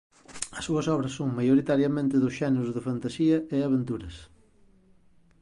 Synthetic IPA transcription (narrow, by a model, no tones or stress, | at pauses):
ɐsːuɐsɔβɾɐsːoŋmajoɾit̪aɾjɐmẽnt̪ɪðʊsʃɛneɾʊzðɪfant̪asiɐɪaβent̪uɾɐs